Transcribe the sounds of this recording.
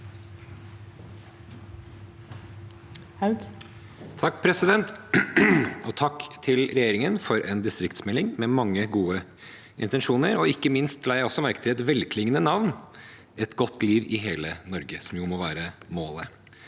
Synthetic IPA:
hɡ | t̪ʰɑkːpʰɾɛsɪd̪ɛnt̪ | ɔt̪ʰɑkːt̪ʰɪlɾɛjeːɾɪŋənfɔɾʔɛːnd̪ɪst̪ɾɪkt̪smɛlːɪŋmɛmɑŋːəɡuːə | ʔɪ̰nt̪ənʂuːnəɾɔɪkːəmɪnst̪læjæɪɔsːɔmæɾkət̪ʰɪlɛt̪ʋɛlkʰlɪŋːənənɑʋn | ʔɛt̪ɡɔt̪ːliːʋɪɦeːlənɔɾɡəsɔmjʊmɔʋæːɾəmoːlə

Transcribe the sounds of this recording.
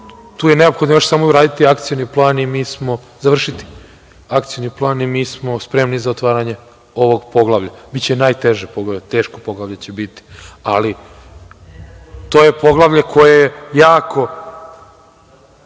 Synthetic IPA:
t̪uːjene̞o̞pxod̪nojoʃsaːmouɾaːd̪it̪iakt̪sijoniplˠaːnimiːsmo̞ | zaʋr̩ʃit̪i̥ | akt̪sijoniplˠaːnimiːsmo̞spɾe̞mnizaot̪ʋaːɾaɲe̞ | o̞ʋo̞ɡpo̞ɡlˠaʋʎabit̪t͡ɕenaːjt̪e̞ʒepoɡlat̪e̞ːʃkopo̞ɡlˠaʋʎet͡ɕebit̪i̥ali | t̪o̞ːjepo̞ɡlˠaʋʎekʰo̞jejejaːko̞

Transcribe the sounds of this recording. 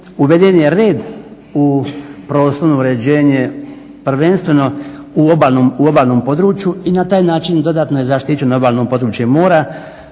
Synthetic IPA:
uʋe̞d̪enjeɾeːd̪ | upɾo̞ːslonuuɾe̞d͡ʑe̞ːɲe | pr̩ʋe̞nst̪ʋe̞no̞uobaːlnomuobaːlno̞mpo̞d̪ɾuːt͡ʃjuinat̪aːjnaːt͡ʃind̪o̞d̪aːt̪nojezaʃt̪it͡ɕeno̞baːlnopo̞d̪ɾuːt͡ʃjemoːɾa

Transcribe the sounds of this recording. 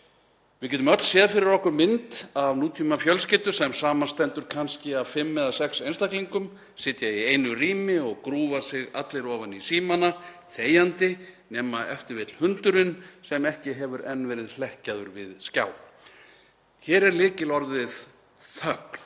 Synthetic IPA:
vɪðcɛt̪ʏmœt̪l̥sjɛːðafɪɾɪɾɔhkʏɾmɪnt̪avnuːt̪ʰimafjœlscɪːt̪ʏsɛmsaːmanst̪ɛnt̪ʏɾ̥kʰanscɪavfɪmːɛðasɛksejnst̪akliŋkʏm | sɪt̪jaiejnʏriːmɪɔɣkɾuːvasɪɣa̰t̪lɪɾɔːvanisiːmanaθeːjant̪ɪnɛːmaɛ̰ft̪ɪɾvɪt̪l̥hʏnt̪ʏɾʏnsɛmɛhcɪɦɛvʏɾʔɛnːvɛːɾɪðl̥ɛhcaðʏɾvɪðsca̰ːw | çɛːɾɛɾlɪːcɪlɔɾðɪð | θœkn̥

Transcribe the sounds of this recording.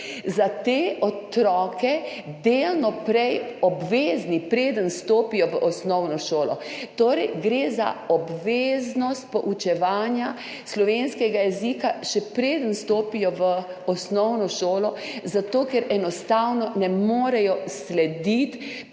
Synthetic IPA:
zat̪eːɔt̪ɾɔːkɛd̪eːlnɔpɾɛjɔbʋeːznipɾeːd̪ənst̪oːpijɔʋəʔɔsnɔwnɔʃoːlɔt̪oːɾɛjɡɾeːza̰ɔbʋeːznɔst̪̚pɔʔut͡ʃɛʋaːnja | slɔʋeːnskɛɡajɛzikaʃɛpɾeːd̪ənst̪oːpijɔʋəɔsnɔwnɔʃoːlɔzat̪oːkɛɾɛnɔst̪awnɔnɛmoːɾɛjɔslɛd̪it̪

